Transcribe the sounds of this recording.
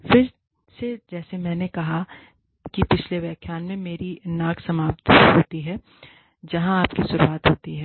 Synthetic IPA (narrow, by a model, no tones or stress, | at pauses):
fɪɾ | sed͡ʒɛːsemɛ̃ːnekɐɦa | kipɪt͡ʃʰleʋɛːkʰjaːnmẽmeːɾinaːksɐmaːp̚t̪ɦoːt̪iɦɛ | d͡ʒɐɦãaːpkisʊɾuaːt̪ɦoːt̪iɦɛː